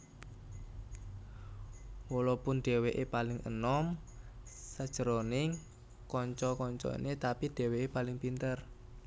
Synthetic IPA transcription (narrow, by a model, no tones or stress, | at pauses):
wɔlɔpʊnɖ̥e̤weʔepalɪŋʔə̰nɔm | səd̥ʒ̥ə̤ɾonɪŋ | kɔɲt͡ʃɔkɔɲt͡ʃɔ̰ḭnet̪apid̪̥e̤weepalɪŋpint̪ər